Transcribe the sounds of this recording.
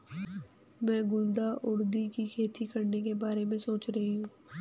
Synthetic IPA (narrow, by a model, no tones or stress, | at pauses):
mɛ̃ːɡʊld̪aʔʊɽd̪ikikʰeːt̪ʰikɐɾnekebaːɾemẽsoːt͡ʃɾɐɦiɦũː